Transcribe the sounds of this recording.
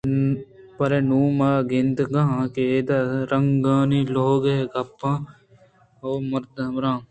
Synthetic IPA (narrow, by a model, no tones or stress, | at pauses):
pɐɾenuːmaːɡɪnt̪ɡɐɦãːkeːd̪aɾɐŋɡãːniːloːɡeeɡʱɐpːãː | oːmɐɾd̪mɾãː